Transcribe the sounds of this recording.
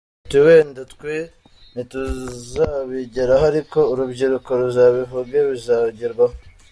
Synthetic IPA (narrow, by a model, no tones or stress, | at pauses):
tiweːndatkwe | nituzaβiɟeɾaɦaɾiko̞uɾubɟiɾukoɾuzaβiβuɡeβizaɟiɾɡwaho